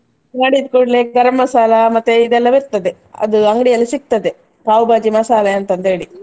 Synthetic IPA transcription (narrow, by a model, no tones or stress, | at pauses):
naːɽid̪kuːʈleːk̚ɡɐɾɐmːɐsaːlɐmɐt̪ːeid̪ɛlːɐʋiɾt̪ɐd̪e | ɐ̰d̪uɐŋɡɽijɐlːisik̚t̪ɐd̪e | kaːwbaːd͡ʒimɐsaːlɐɐnt̪ɐnt̪eːɽi